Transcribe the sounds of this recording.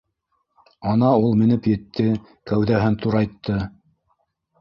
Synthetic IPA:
ɑnɑulˠmɘ̆nɘpjɘ̆t̪ʰːɘ | kæwðæɦɘnt̪uɾɑjt̪ːɤ

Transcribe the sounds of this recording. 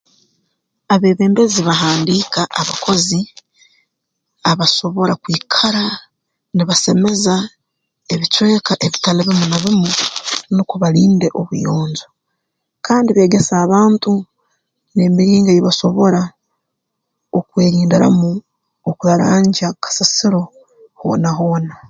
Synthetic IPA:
aβe̞ːβe̞ːmbe̞ziβaɦaːndiːkaʔaβakʰo̞zi | aβaso̞βo̞ɾakwiːkʰaɾa | niβase̞me̞za | eβit͡ʃwe̞ːkaʔeβitalaβimunaβimunokuβaɾiːnde̞ʔo̞βujo̞ːɲzo | kʰaːndiβe̞ːɡe̞saːβaːntu | ne̞ːmiɾiːŋɡajiβaso̞βo̞ɾa | okwe̞ːɾiːndiɾa̰mu | okuɾaɾaːɲɟakʰḁsasiɾo̞ | ho̰ːnaɦo̞ːna

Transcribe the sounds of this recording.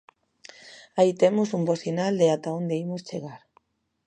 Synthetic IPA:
ait̪emosumbosinald̪eat̪aond̪eimost͡ʃeɣaɾ

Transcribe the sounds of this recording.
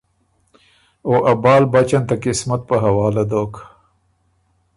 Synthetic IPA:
oʔabɑːlbat͡ʃant̪akɪsmat̪̚pəɦawɑːlad̪ok

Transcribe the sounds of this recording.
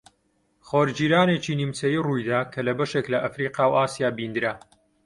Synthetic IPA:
χoːɾd͡ʒiːɾaːnet͡ʃiːnimt͡sɐjiːrujd̪aːkʰɐlɐbɐʃeklɐʔɐfɾiqɑːwʔaːsijaːbind̪ɨɾa

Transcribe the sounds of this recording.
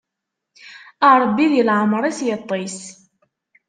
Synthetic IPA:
əɾˤbːiðjəlʕəmɾˤæsjət̪ˤːis

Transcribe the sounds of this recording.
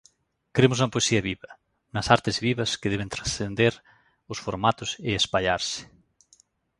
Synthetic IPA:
kɾemʊs̬uŋɐpoesiɐβiβɐ | nɐsaɾt̪ɪzβiβɐskɪðeβent̪ɾasθend̪eɾ | ʊsfoɾmat̪ʊseespaʎaɾsɪ̥

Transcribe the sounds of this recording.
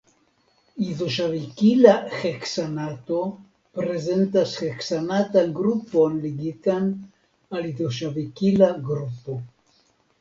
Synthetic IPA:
iðoʃavikilaxeksanat̪o | pɾezent̪asxeksanat̪anɡɾuponliɡit̪an | aliðoʃavikilaɡɾupo

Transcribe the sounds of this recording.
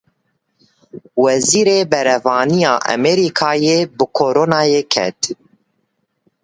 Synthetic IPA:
wɛziːɾeːbɛɾɛvɑːnijɑːʔɛ̰mɛɾikʰɑːjeːbɨkʰoːɾoːnɑːjeːkʰɛ̰t̪

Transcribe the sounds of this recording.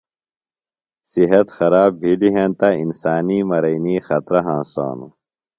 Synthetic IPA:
siɦɐt̪xɐɾaːbbʱiliɦẽnt̪ainsaːniːmɐɾɐiniːxɐt̪ɾɐɦãːnsa̰ːnṵ

